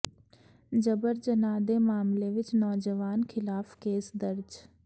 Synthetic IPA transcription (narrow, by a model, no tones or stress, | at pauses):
d͡ʒəbəɾd͡ʒənaːd̪emaːmleʋɪt͡ʃnɔːd͡ʒəʋaːnkʰɪlaːfkeːsd̪əɾd͡ʒ